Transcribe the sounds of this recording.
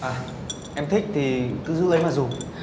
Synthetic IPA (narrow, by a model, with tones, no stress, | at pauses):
ʔaː˨˩ | ʔɛ˧mt̪ʰï˦˥k̟̚t̪ʰi˨˩kɨ˨˧˦zɨ̰˧˥lə˨˧˦jmaː˨˩zo˨˩